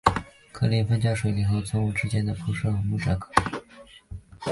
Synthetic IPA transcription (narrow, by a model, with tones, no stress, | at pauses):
kʰɤ̰˥˧li˧˥nfə˥nt͡ɕjɑ˥˩ʂwe˨˩ɪli˨˩xo˥˧ʊt͡sʰʊ˥ŋu˥˩ʈ͡ʂɻ̩˥t͡ɕjɛ˥nd̪ə˨pʰu˧˥ʂɤ˥˩xɤ˧˥mu˥˩ʂa˥˩kʰɤ̥˥˩